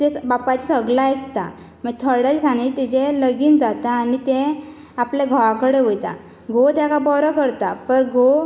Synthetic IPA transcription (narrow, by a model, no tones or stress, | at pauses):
t̪ebapat͡ɕisəɡlaek̚t̪a̰ | məɡt̪ʰəɾɽaɾisaɳit̪id͡ʑeləɡiːnd͡zat̪aːnit̪ẽ | aplaɡʱəʋãkəɽeʋojt̪a̰ | ɡot̪jakabɔɾɔkəɾt̪apəɾɡo